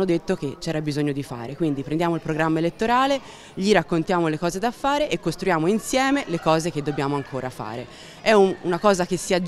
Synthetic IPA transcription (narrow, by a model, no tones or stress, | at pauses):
nːod̪et̪ːok̟et͡ʃːɛːɾabizoɲːod̪ifa̰ːɾekwind̪ipɾend̪jaːmoilpɾoɡɾamːaelet̪ːoɾaːle | ʎiɾakːont̪jaːmolekɔːzed̪afːaːɾeʔekːost̪ɾujaːmoinsjɛːmelekɔːzek̟ed̪ːobjaːmoaŋkʰoːɾafa̰ːɾḛ | ɛuunakɔːzakesːiad͡ʒ